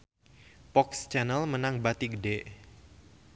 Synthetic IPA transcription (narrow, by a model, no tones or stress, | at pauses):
pɔkst͡ʃɛnəlmənaŋbat̪iɡədɛʔ